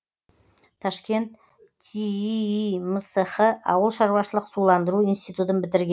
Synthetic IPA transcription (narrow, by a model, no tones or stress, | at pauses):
t̪ʰɑʃkʲe̞nt̪̚ːʰ | i | məsəχəʔɑ̰wəlˠʃɑɾwɑʃəlˠəqsulˠɑnd̪əɾuinst̪ijt̪ut̪ənbɪt̪ɪɾɡʲe